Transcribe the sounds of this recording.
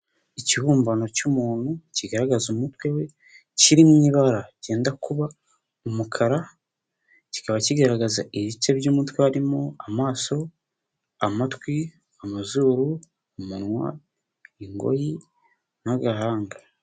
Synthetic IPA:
iciβuːmbano̞cumuːnhuciɡaɾaɡazumutwe̞we̞ | ciɾimɲiβaɾaɟe̞ːndakuβa | umukʰaɾa | ci̥kaβaciɡaɾaɡazaʔiβit͡ʃebjuːmutweaɾimoamaːso̞ | amatwi | amazuːɾuː | munwa̰ | iŋɡo̞̰ji | naɡaɦaːŋɡa

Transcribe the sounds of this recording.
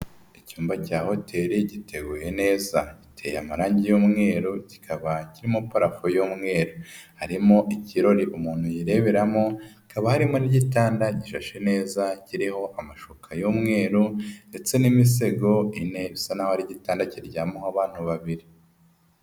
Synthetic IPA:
icuːmbacaːho̞tʰe̞ɾiɟite̞ɡuːje̞ne̞ːzaɟitʰe̞̰ːja̰maɾaːɲɟijuːmŋe̞ːɾoci̥kʰaβaciɾimopaɾafojuːmŋe̞ːɾohaɾimo̞ʔiciɾo̞ɾiʔumuːn̥hujiɾe̞βe̞ɾamo̞ikaβahaɾimo̞niɟitaːndaɟiʃaʃe̞ne̞ːzaciɾiho̞ʔamaʃokʰajomŋe̞ːɾunde̞t͡se̞nimis̬e̞ɡo̞ine̞βisanahohaɾiɟitaːndaciɾɟamohaβaːn̥huβaβiɾi

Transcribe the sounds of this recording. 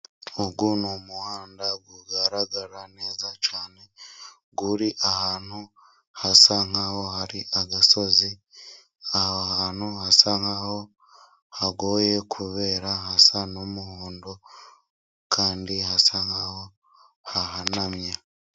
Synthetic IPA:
oɡunomuhaːndaɡwuɡaɾaɡaɾane̞ːzat͡ʃaːne̞ | ɡuɾiʔahaːn̥hu | hasaŋ̥aho̞haɾiʔaɡaso̞zi | ahohaːn̥huhasaŋaho̞ | haɡo̞je̞kʰuβe̞ːɾahasanomuhuːndo | kʰaːndihasaŋ̥aho̞ | haɦanamɲa

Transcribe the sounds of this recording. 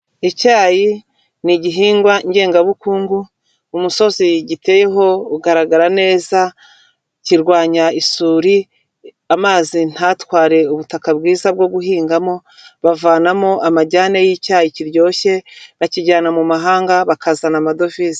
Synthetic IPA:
icaːji | niɟiɦiːŋɡwaɲɟe̞ːŋɡaβukuːŋɡuː | muso̞ziɟite̞je̞ɦo̞uɡaɾaɡaɾane̞ːza | ciɾɡwaːɲaisuːɾi | amaːzin̥hatwaːɾe̞uβutakabɡiːzab̚ɡo̞ɡuɦiːŋɡamo̞ | βavaːnamoʔamaɟaːnejicaːjiciɾɟo̞ːçe̞βaciɟaːnamumaɦaːŋɡaβakazanamado̞vizi

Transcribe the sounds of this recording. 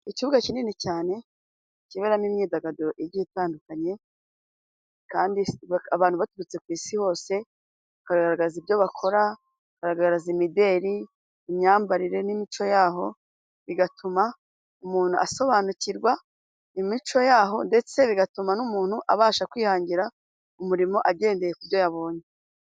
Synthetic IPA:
iciβuɡacininecaːne̞ | ciβeɾamimɲiːdaɡaduɾoʔiɾɟitaːndukaɲe̞ | kaːndiaβaːn̥huβatuɾut͡se̞kwiːsiho̞ːse̞ | βakaɾaɡaɾaɡaazibjo̞βakʰo̞ɾa | βakaɾaɡaɡaɾazimide̞ːɾiː | mɲaːmbaɾiɾe̞nimit͡ʃo̞jaːɦo̞ | βiɡatʰuma | umuːn̥uʔaso̞βanuciɾɡwa | imit͡ʃo̞jaːɦo̞nde̞t͡se̞βiɡatumanumuːn̥huʔa̰βaːʃakwiːhaːɲɟiɾa | umuɾimo̞ʔaɟe̞ːnde̞je̞kuβjo̞jaβo̞ːɲe

